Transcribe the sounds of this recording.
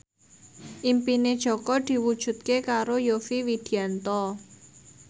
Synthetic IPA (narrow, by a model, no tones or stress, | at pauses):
ʔimpined̥ʒ̥ɔ̤kɔd̪̥i̤wud̥ʒ̥ṳt̪̚kekaɾojofiwid̪̥i̤ant̪ɔ